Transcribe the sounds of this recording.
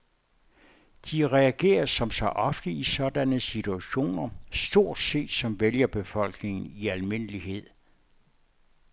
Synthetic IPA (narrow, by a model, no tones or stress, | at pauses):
d̥iʁɛæɡ̥e̝̰ːɐsɒ̽msɒ̽ʔɒ̽fd̥əisɒ̽d̥ænəsit͡sʰuæɕo̝̰ːnɐsd̥o̝ɐ̰d̥se̝̰ːd̥sɒ̽mʋeljɐb̥e̝fɒ̽l̰ɡ̥ne̝ŋn̩iælme̝n̰əliɦe̝ð̞̰ˠ